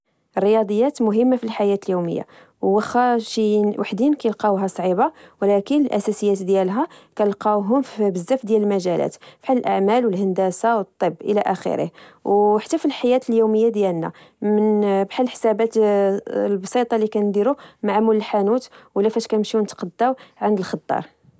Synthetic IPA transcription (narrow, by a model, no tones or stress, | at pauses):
rːəjɑd̪ˤəjːæt̪mʊɦəmːafilħajæt̪əljumə̰jːa̰ | wːəxæʃinwʔaħd̪inkæjəlqɑɦæsˤʕibawlækənəlʔæsæsəjːæt̪d̪jælɦækæəlqɑɦʊmfbəzːæfd̪jæləlmæʒælæ̰t̪fħaləlʔaʕmælwəlhənd̪æsawət̪ˤːəbːʔə̰læʔæxə̰ɾə̰hwħḁt̪ːæfilħajæt̪əljuməjːad̪jælnæ̰ | mənbħalːħsæbæt̪ | lbɑsˤit̪ˤɑlikænd̪iɾumaʕmuləlħanut̪wəlːæfæʃkæəmʃiwnət̪qɑd̪ːæwʕand̪əlxt̪ˤːɑ̰ɾˤ